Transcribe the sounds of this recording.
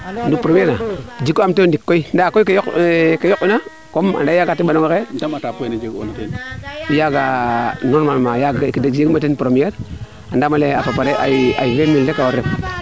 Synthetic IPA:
dupɾomieɾnad͡ʒikːoamtendikːoindakoikejokkejokina | koma̰ndajaɡatiɓanawekedamatapuenad͡ʒiɡo̰natenijaɡanoɾmalmajaɡkidad͡ʒeɡmatenpɾomijeɾ | andamalea̰papaɾeʔa̰a̰ivemildekawoɾep

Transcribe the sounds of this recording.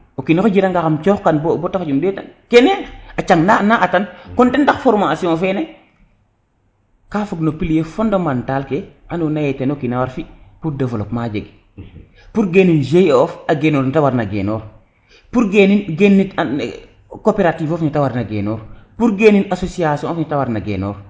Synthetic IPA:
okinaxod͡ʒiɾaŋɡaxamt͡ʃɔːxkanbbɔtafad͡ʒundɛta̰nkɛneat͡ʃaŋnanaʔatankɔndɛndaxfoɾmasiɔ̃fɛnɛ | kaːfuɡnopiljefɔndomantaːlkeanunajɛtenokinawaɾfipuɾdɐvolokmad͡ʒeɡ | puɾɡenind͡ʒejɔfaɡenoɾnitawaɾnaɡḛnoːɾ | puɾɡeninɡenːita | kopeɾatifɔfɲitawaɾnaɡḛnɔːɾpuɾɡeninasosiasiɔ̃fɲitawaɾnaɡḛno̰ːɾ

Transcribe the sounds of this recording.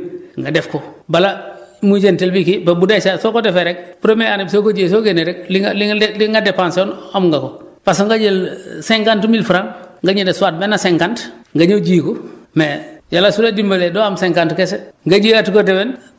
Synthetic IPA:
ŋɡadefkobalamuɟentelbikibebudet͡ʃasokodefeɾek̚puɾomeanebsokoɟies̬oɡeneɾek̚liŋliŋliŋɡadepansonamŋɡakopasoŋɡaɟelseŋkantmilfuɾaŋŋɡaɲedesuwat̚menːaseŋkantŋɡaɲoɟiːkomejalasuɾadimbaledoamseŋkantkeseŋɡaɟiatikodeben

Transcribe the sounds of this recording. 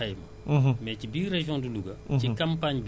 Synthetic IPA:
ɐjmɐ | mɛcibiːɾɛʒjɔ̃duluɡɐcikɐ̃mpaɲb

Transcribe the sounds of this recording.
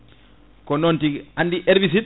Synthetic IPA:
kɔnontiandiʔɛɾbis̬it

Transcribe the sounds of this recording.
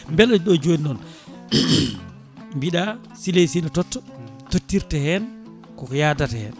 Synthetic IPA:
mbɛlɔd͡ʒɗɔd͡ʒonɗɔn | mbiɗa | silesinɔtɔtːɔtotːiɾtɛhɛn | kɔjadatɛhɛ̰n

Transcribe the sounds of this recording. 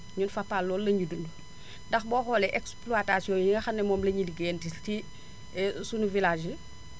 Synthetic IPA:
ɲunfapːaːlːɔːlːɐɲudunu | dɐxbɔːxɔːlɛʔɛkspluatasiɔŋjiŋɡɐxɐnːɛmɔːmlɐɲiliɡɛːntisti | sunuvilaːd͡ʒi

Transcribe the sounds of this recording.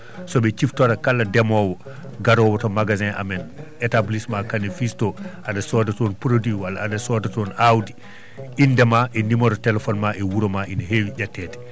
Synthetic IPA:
sɔbɛt͡ʃiftɔɾakalːadɛmɔwɔ | ɡaɾɔwɔtɔmaɡazɛ̃ʔa̰mɛn | ɛtablismakanifistɔʔadasɔdatɔnpɾodwiwala̰ːdasɔdatɔnawdi | indɛmaʔɛnimɔɾɔtɛlɛfɔnmaʔɛwuɾɔmaʔinaɦewiɟatːɛːtɛ̥

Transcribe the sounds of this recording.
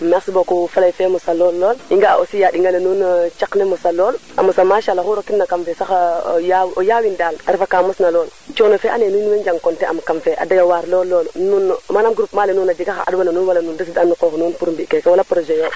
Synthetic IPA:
mɛsbokufalajfɛmusalɔlːɔːliŋɡaa̰ʔosijaɗiŋɡalenunt͡ʃaknemusalɔːla̰musamaʃalaxuɾokitnakamfɛsaxajawʔojawindalaɾifakaːmusnalɔːlt͡ʃonofɛʔa̰nenuːnweɲd͡ʒaŋkɔntɛʔa̰mkamfɛʔa̰dajowaɾlɔlːɔːlnunmanamɡɾupmaːlenuːnad͡ʒiɡaxaʔa̰dwananuːwalanuːndasidanːukoːxnuːnpuɾmbikekɛwalapɾod͡ʒɛjo

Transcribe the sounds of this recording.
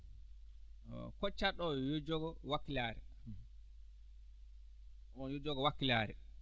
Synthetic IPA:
kɔt͡ʃːaɗɔjod͡ʒɔɡɔwakːilaːɾɛ | ɔjod͡ʒɔɡɔwakːilaɾɛ

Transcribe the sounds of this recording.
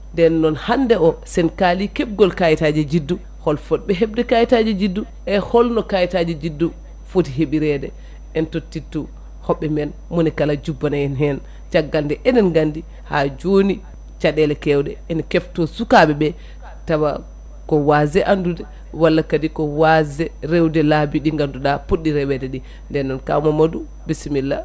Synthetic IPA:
ndɛnːɔnhandɛɔsɛnkalikɛb̚ɡɔlkajitad͡ʒɛd͡ʒidːu | hɔlfɔt̚ɓɛɦɛbdɛkajitad͡ʒɛd͡ʒidːu | ʔɛhɔlnɔkajitad͡ʒɛd͡ʒidːu | fotiɦeɓiɾɛdɛ | ɛntotːitːu | hɔɓːɛmɛn | monikalad͡ʒubːanajɛnɦɛn | t͡ʃaɡːaldɛʔɛndɛnɡandi | had͡ʒoni | t͡ʃaɗɛlɛkɛwdɛɛnkɛftɔsukaɓɛbɛ | tawa | kɔwazɛʔandudɛ | walːakadikɔwazɛɾɛwdɛlabiɗiŋɡanduɗapuɗːiɾɛwɛdɛɗi | ndɛnːɔnka̰mamadu | bisimilːa̰

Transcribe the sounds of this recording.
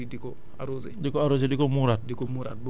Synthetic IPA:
idikɔ | aɾoːsḛdikɔaɾos̬edikɔmuɾatdikɔmuɾa̰t̚b

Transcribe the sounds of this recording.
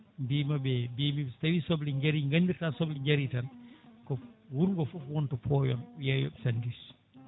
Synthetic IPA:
bimabɛbimiɛtawisɔbliɲɡaɾiŋɡandiɾtansɔbliɡaɾitankɔwuɾŋɡɔfufwɔntɔpʰɔːjɔ̰njajɔ̰ɓɛsandis

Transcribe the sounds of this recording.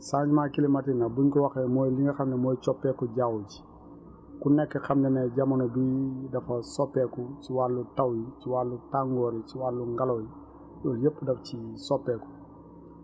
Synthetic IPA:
saɲd͡ʒimakilimɐtinɐbuɲkɔwɐxɛmɔjliŋɡɛxɐmnɛmɔːjt͡ʃɔpːɛkɔɟawd͡ʒi̥ | kunɛkːɛxɐmndɛnɛɟɐmɐnɔdujdɐfɐsɔpːɛkusiwalːutɐwjisiwalːutaŋɡɔːɾisiwalːuŋɡalɔji | jɔːjepːdɐfcisɔpːɛkɔ̥

